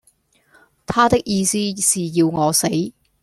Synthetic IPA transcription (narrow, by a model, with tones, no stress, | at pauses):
t̪ʰaː˥t̪ɪ˥k̚jiː˧siː˥siː˨ji˧wŋɔː˨˧se˨˥j